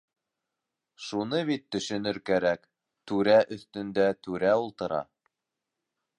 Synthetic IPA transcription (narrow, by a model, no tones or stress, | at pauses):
ʃunɤβit̪ːɵ̆ʃɵ̆nɘɾkæɾæk | t̪ʉɾæʔɵ̆θt̪ɵ̆nd̪æt̪ʉɾæulˠt̪ɤ̆ɾɑ̰